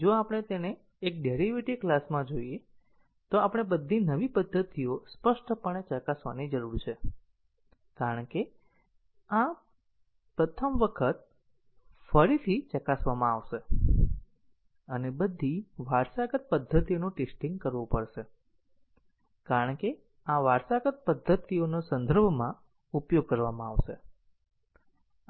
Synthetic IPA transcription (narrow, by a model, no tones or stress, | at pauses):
d͡ʒoapəɳ̃et̪eneː | k̚ɖeɾiʋiʈiklasmãd͡ʒoije | t̪oapəɽ̃ebəd̪ʱːinəʋipəd̪ʱːət̪iospəʃʈpəɳt͡ʃəkasʋa̰nid͡ʒəɾuɾt͡ʃʰe | kaɾəɳke | a | pɾət̪ʰəmʋəkʰət̪̚ | fəɾit̪ʰit͡ʃəkasʋamãaʋʃe | ənebəd̪ʱiʋaɾsaɡət̪̚pəd̪ʱːət̪ionõʈesʈĩŋɡ̚kəɾʋupəɽʃe | kaɾəɳke | ãʋaɾsaɡət̪̚pəd̪ʱːət̪ionosənd̪ʱəɾbʱmã | upjoɡ̚kəɾʋamãaʋʃe